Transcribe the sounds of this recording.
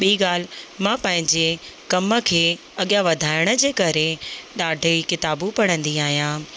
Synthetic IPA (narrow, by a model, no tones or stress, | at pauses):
ɓiiːɠaːl̤mãpɐ̃ɦɪ̃ɲd͡ʑekɐmə̆kʰeː | ɐɠjaʋɐd̪ʱaːɪɽ̃ə̆d͡ʑeːkɐɾeɗaːɖʱəkɪt̪aːbũpɐɽ̃ə̃nd̪iaːɦijãː